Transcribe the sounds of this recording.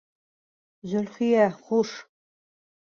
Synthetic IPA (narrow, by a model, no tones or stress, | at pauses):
zɵ̆lχijæχuʃ